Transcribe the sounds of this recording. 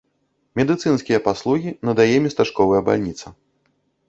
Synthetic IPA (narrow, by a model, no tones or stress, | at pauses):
mʲɛd̪ɨt̪sɨnskʲijɐpaslˠuɣʲinɐd̪ajɛmʲɛst̪aʂkɔvɐjɐba̰lʲnʲit̪sɐ